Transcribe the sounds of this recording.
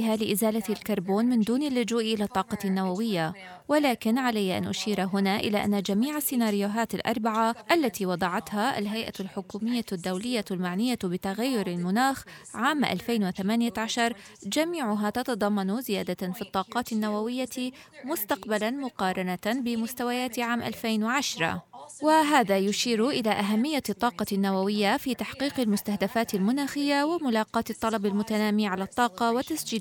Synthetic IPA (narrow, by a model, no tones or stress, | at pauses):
ɪɦalɪʔɪzaːlalkɑɾˤboːnmɪnd̪uːnalːʊd͡ʒuːʔʔɪlat̪ˤːɑːqɑnːawawɪjːa | walaːkɪnʕalajːaʔa̰nʔʊʃiːɾɦʊnaʔɪlaʔa̰nːad͡ʒamiːʕasːɪnaːɾɪjʊɦaːt̪alʔɑ̰ɾˤbaʕaʔalːat̪iwɑd̪ˤɑʕɑt̪haʔa̰lɦajʔa̰lħʊkuːmɪjːad̪ːawlɪjːalmaʕnɪjːabɪt̪aɣajːʊɾalmʊnaːxʕaːmʔa̰lfeːnwɪθamaːnɪjaʕaʃɑɾˤ | d͡ʒamiːʕʊɦaːt̪ɑt̪ɑd̪ˤɑmːɑnʊzɪjaːd̪afiːt̪ˤːɑːqɑːt̪ɪnːawawɪjːa | mʊst̪ɑqbalanmʊqɑːɾˤɑnabɪmʊst̪awajaːt̪ʕaːmʔa̰lfejnwaʕaʃɾˤɑ̰waɦaːðaːjʊʃiːɾʔɪlaːʔaɦamːɪjːat̪ˤːɑːqɑnːawawɪjːafiːt̪aħqiːqɪlmʊst̪ahd̪afaːt̪almʊnaːxɪjːawɪmʊlɑːqɑːt̪ɨt̪ˤːɑlɑbalmʊt̪anaːmiːʕalat̪ˤːɑːqɑwɪt̪ːasd͡ʒiː